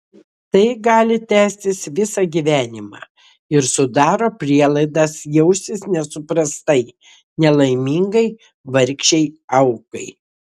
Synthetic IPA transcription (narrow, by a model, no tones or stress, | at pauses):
t̪ɐɪɡɑːlʲɪt̪ʲæːsʲt̪ʲɪsʋʲɪsɑɡʲiʋʲæːnʲɪmɑ̰ː | ɪɾsʊd̪ɑːɾoːpʲɾʲiɛlˠɐɪd̪ɑsjɛʊsʲɪsnʲɛsʊpɾɐst̪ɐɪ | nʲɛlˠɐɪmʲiŋɡɐɪ | ʋɐɾʲkʃʲɛɪɐʊkɐɪ